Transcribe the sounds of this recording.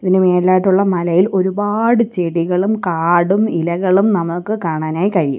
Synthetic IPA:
iðinɨmeːɾilaːjiʈːuɭːɐmɐlɐjilʔo̞ɾubaːɽɨt͡ɕeɽiɣɐɭumkaːɽumilɐɣɐɭumnɐmukːɨkaːɳaːnaːjikɐɻijṵm

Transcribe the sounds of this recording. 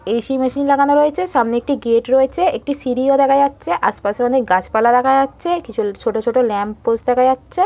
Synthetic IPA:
eʃimɛʃinlaɡanoɾoet͡ɕʰeʃamneek̚ʈiɡeʈɾoet͡ɕʰeek̚ʈisiɾiod̪ɛkʰad͡ʑatːɕʰeʔa̰ʃpaʃeɔnek̚ɡat͡ɕpalad̪ɛkʰad͡ʑatːɕʰekit͡ɕʰut͡ɕʰoʈot͡ɕʰoʈolɛmpposd̪ɛkʰad͡ʑatːɕʰe

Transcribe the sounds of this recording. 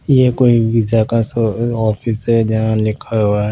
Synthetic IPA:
jekoːiʋɪd͡ʒakasɔːfʰɪsɦɛd͡ʒɐɦãlɪkʰaɦoaɛ

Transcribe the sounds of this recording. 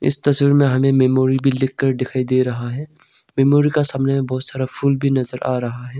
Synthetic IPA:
ɪ̰st̪ɐswiːɾmẽɦɐmẽmɛːmoːɾibʱilɪkːɐɾd̪ɪkʰaːid̪eːɾɐɦaɦɛː | mɛːmoːɾikasaːmnemẽbɔɦʊt̪saːɾapʰʊlbʱinɐzəɾa̰ːɾɐɦaɦɛː

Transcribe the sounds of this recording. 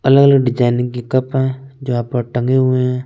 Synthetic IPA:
ɐləɡələɡɖɪd͡ʒaːɪnɪ̃ŋɡkekɐpɦɛ̃d͡ʒoːaːpəɾʈɐ̃ŋɡeɦʊeɦɛ̃ː

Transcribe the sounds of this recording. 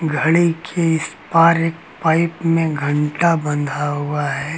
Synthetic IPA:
ɡʱɐɽikʰeɪspaːɾeːk̚paːɪpmẽɡʱɐ̃ɳʈabɐ̃nd̪ʱaɦuaɦɛː

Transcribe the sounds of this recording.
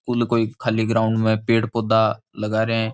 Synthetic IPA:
kʊlkoːiːkʰaːliːɡɾaːʊɳɖmẽːpeːʈpoːd̪aː | ləɡaːɾeɛ̃ː

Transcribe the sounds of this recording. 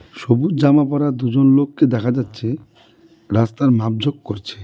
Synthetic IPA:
ʃobuɾd͡ʑamapɔɾad̪ud͡ʑonlokːed̪ɛkʰad͡ʑatːɕʰe | ɾast̪aɾmap̚d͡ʑʱokkoɾt͡ɕʰe̥

